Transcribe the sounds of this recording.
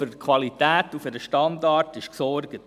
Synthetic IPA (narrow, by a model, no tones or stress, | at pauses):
ʏɾkʰwɑlitæːtufəɾəʃtɑndɑːrtɪʃksɔrɡət